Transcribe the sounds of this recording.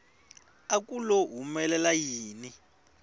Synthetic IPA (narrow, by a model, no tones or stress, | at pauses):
ak̬ʼulɔɦumɛlɛlajiːni